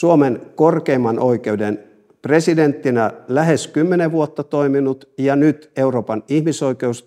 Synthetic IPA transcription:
suomenkorkeːmːɑnʔo̞ikeuden | president̪ːinælæheskymːeneʋuot̪ːɑt̪oiminut̪jɑnyt̪euroːpɑnihmiso̞ikeus

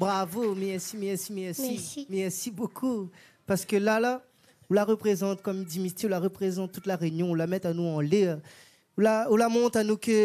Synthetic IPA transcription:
bʁavomɛʁsimɛʁsimɛʁsiimɛʁsibokʰu | paʁsə̥kəlala | ɔ̃laʁəpχezɑ̃t̪̚kɔmd̪imit̪ɔ̃laʁəpχezɑ̃t̪̚ːut̪laʁenjɔ̃ɔ̃lamɛt̪anuɑ̃le | ũlaũlamɔ̃t̪anukə

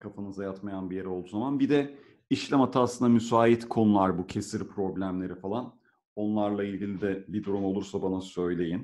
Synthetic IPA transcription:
kʰafanɯzajat̪majanbije̞ɾɛo̞lˠd̪uːzamanbid̪ɛ | iʃlʲɛmat̪ʰasɯnd̪amysaːit̪kʰo̞nulˠaɾbucʰe̞siɾpʰɾo̞blʲæmlʲe̞ɾifalˠan | o̞nlˠaɾlˠailʲɟilʲid̪ɛbid̪uɾumo̞lˠuɾsabanasø̞jlʲe̞jin

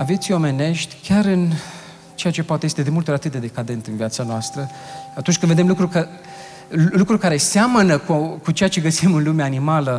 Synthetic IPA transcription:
avet̪sʲio̞me̞ne̞ʃt̪ʲkʲaɾɨn | t͡ʃe̞jat͡ʃe̞poat̪ejest̪ed̪e̞mult̪oɾat̪ɨt̪̚d̪e̞d̪e̞kad̪e̞nt̪ɨnviat̪sanoast̪ɾə | at̪unt͡ʃʲkɨnve̞d̪e̞mlukɾukə | lukɾurkaɾe̞samənəkukut͡ʃe̞jat͡ʃe̞ɡəsimɨnlumeaːnimalə

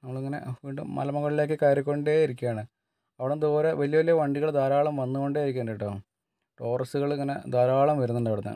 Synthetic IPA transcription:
nɐmːɐɭiŋːɐne̞̰ʋiːɳɖṵmmɐ̰lɐmɐɣɐɭile̞ːkːɨkaːɾukʲːoɳɖeːiɾikʲːuaːɳɨ | ɐʋiɽemd̪oːɾɐʋɐlijɐʋɐlijɐʋɐɳɖiɣɐɭd̪aːɾaːɭɐmʋɐnːuko̞ɳɖeːiɾikʲːeːɳɖɐiʈːoː | ʈoːrɐsuɣɐɭŋːɐne̞̰d̪aːɾaːɭɐmʋɐɾunːɐɳɖɐːʋiɽunːɨ̰

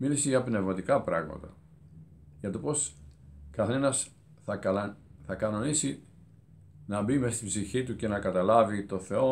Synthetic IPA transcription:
milisiʝɐpne̞vmɐt̪ikɐpɾɐ̰ɣmɐ̰t̪ɐ | ʝɐt̪opo̞skɐθe̞nɐs | θɐθɐkɐno̞nisi | nɐbimest̪ibziçit̪uce̞nɐkɐt̪ɐlɐvit̪o̞θe̞o̞

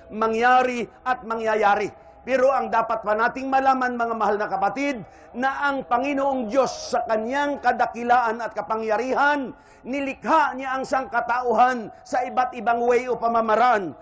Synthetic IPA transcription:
mɐŋjaːɾɪʔɐt̪̚mɐŋjɐjaːɾɪ | pɛːɾo̞ʔɐŋd̪aːpat̪̚pɐnaːt̪ɪŋmɐlaːmanmɐŋamɐhalnɐkɐpɐt̪id̪̚ | nɐʔɐŋpɐŋɪnoʔoŋd̪jo̞sːɐkɐnjaŋkɐd̪ɐkɪlaːʔɐnɐt̪̚kɐpaŋjɐɾiːhɐnː | ɪlɪkhaɲaʔɐŋsaŋkɐt̪aʔʊɦansɐʔɪbat̪̚ɪbaŋwɛjopɐmamɐɾaʔan

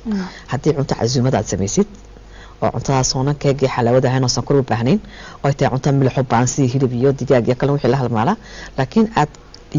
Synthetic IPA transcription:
hɐd̪ɛːʕʊnt̪ʰɔʕa̰zuːmɐða̰ːd̪sɐmɛjsɪd̪̥ | ʔɔ̰ːʕʊ̰nt̪ʰɐðaːsɔːnɐŋkʰɛːɡiħalawɐðɐɦɛjnɔːsɐŋkʰʊɾʊbaːɦnɛnɔːɛjt̪ɐjʕʊnt̪ʰɐmɪlħʊbaːnsiɦɪlɪbijɔd̪ɪɣaːɡijɔkʰɐlɛwɪħiːlɐɦɐlmaːlalaːkʰɪnaːd̪

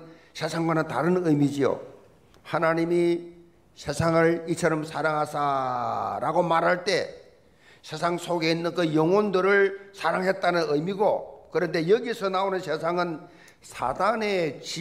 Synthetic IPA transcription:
sʰe̞sʰaŋɡwanɯntaɾɯnɯjmid͡ʑio̰ | hanaɲimi | sʰe̞sʰaŋɯɭit͡ɕʰʌɾʌmsʰaɾaŋɦasa | ɾaɡomaɾɦaɭt͈e̞ | sʰe̞sʰaŋsʰoɡe̞inːɯnkɯjoŋwondɯɾɯɭsʰaɾaŋɦe̞t̚t͈anɯnɯjmiɡokɯɾʌnde̞jʌɡisʰʌnaonɯnsʰe̞sʰaŋɯn | sʰa̰dane̞t͡ɕi

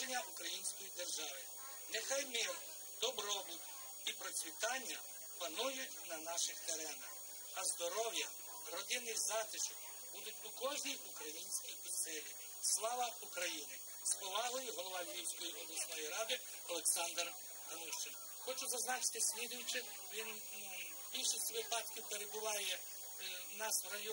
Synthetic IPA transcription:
enʲːɐʔukɾɐjinʲsʲkɔjid̪erʒɑʋɪ | nexɑjmɪl | d̪̥ɔbɾɔbud̪ʲ | ipɾɔt͡sʲʋʲit̪ɑnʲːɐ | pɐnujʊtʲnɐnɑʃɪxt̪eɾɛnɐx | ɐzd̪ɔɾɔwjɐ | rɔd̪ɪnɪjzɑt̪ɪʃɔk | bud̪ʊtʲukɔʒnʲijukɾɐjinʲsʲkʲijʊsɪlʲi | slˠɑʋɐukɾɐjinɪ | spɔʋɑɦˠɪjɪɦɔlˠɔʋɑʋʲiwsʲkɔjiʔɔɦlˠʊt͡ʃnɔjiɾɑd̪ɪ | ɔlˠeksɑnd̪r | hɐnuʃt͡ʃɪn | xɔt͡ʃʊzɐznɑt͡ʃɪ̥t̪ɪsʲmʲid̪ʊjʊt͡ʃɪ | ʋʲin | bʲilʲʃɪsʲtʲʋɪpɑt̪kʲɪpeɾebʊʋɑjɛ | nɑsrɐj

